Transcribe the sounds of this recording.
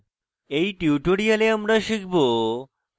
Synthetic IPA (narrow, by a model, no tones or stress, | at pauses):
eiʈjuʈoɽijaleəmɾaʃikʰbo